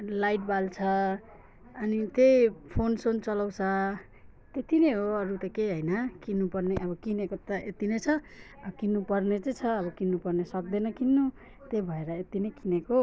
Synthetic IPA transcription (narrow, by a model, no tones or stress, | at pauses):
lajʈ̚balt͡sʰʌː | nit̪ejpʰonsont͡sʌlaw̃t͡sʰʌ | t̪et̪ʰineɦoʌɾut̪ʌkeɦʌjnʌkinːupʌrneʔʌbʌkinekot̪ʌʔet̪inʌjt͡sʰʌ | kinːupʌrnet͡sʌt͡sʰʌːbʌkinːupʌrnesʌk̚d̪enʌkinːu | t̪ebʱʌeɾʌet̪inʌjkineko